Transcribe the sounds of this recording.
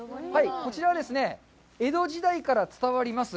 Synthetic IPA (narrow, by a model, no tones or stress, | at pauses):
haiko̞t͡ɕiɾaβad̪e̞sɨne̞ | e̞d̪o̞ʑid̪aikaɾat͡sɨ̥t̪aβaɾʲimasɨ